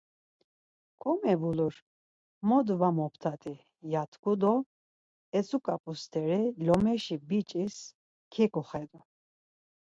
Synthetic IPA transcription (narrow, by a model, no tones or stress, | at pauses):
kʰʼɔmɛvuluɾ | mɔd̪vamɔpʰt̪ʰat̪ʼi | jat̪ʰkud̪ɔ | ɛt͡sʰʼukʼapʼust̪ʰɛɾɛlɔmɛʃibit͡ʃʼis | kʰɛkʼɔχɛd̪u